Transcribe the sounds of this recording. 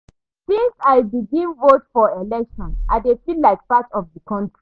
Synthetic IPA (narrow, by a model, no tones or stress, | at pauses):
sĩnsaɪbiɡĩnvotfɔelɛkʃɔ̃na̰defilaɪk̚patɔfdikʰɔ̃ntɹi